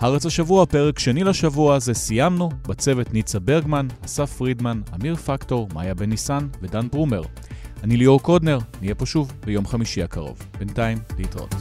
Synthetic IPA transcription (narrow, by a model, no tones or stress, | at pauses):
haʁet͡shaʃavuapeʁekʃenilaʃavuaːze̞sijamnubat͡se̞ve̞tnit͡sabe̞ʁɡmanasafʁidmanamiʁfakto̞ʁma̰jabenisanvedanbʁume̞ʁ | anilioʁko̞dne̞ʁnijepoʃuvbejo̞mχamiʃiakaʁo̞̰vb̥entaimbeitʁo̰t